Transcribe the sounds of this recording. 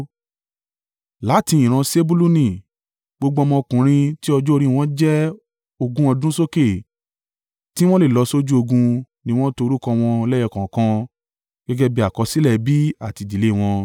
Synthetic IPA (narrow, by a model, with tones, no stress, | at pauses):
la˨˦ti˧ĩ˨ɾ̃ã˧se˦bu˦lu˦nĩ˨ | ɡ͡bo˧ɡ͡bɔ˧mɔ̃˧kũ˨ɾ̃ĩ˧ti˦ɔ˧d͡ʒɔ˦˧ɾĩ˦˧w̃ɔ̃˦d͡ʒɛ˦ | o˧ɡũ˦ɔ˧dũ˦so˦ke˦˨ | ti˦w̃ɔ̃˦le˦˨lɔ˧so˦d͡ʒu˦o˧ɡũ˧ | nĩ˧w̃ɔ̃˦to˧ɾu˦kɔ̃˧w̃ɔ̃˧lɛ˦jɛ˧˨kã˨kã˧ | ɡ̥ɛ˦ɡɛ˦bi˧˦a˨kɔ˧si˦lɛ˦˨bi˦a˦˨ti˧di˨le˨˦˨w̃ɔ̃˧